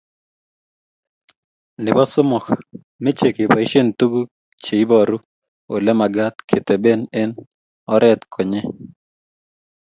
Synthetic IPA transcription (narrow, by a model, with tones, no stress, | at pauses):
nɪ˨bɔ˦sʊ˦mɔ˨k | me˦t͡ʃe˨ke˨pa˨i˦ʃe˦ntu˦ɡu˦ | t͡ʃe˨i˦bɔ˦˨ɾu˦ | o̰˨lɛ˦ma˨ɡa˦t̪kʰe˨t̪ɛ˨be˦nɛ˦n | ɔ˦ɾʔɛ˦t̪kʰo˨ɲe˦